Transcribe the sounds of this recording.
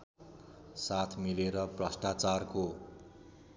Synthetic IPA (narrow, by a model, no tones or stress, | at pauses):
sat̪ʰmileɾʌprʌsʈat͡sarko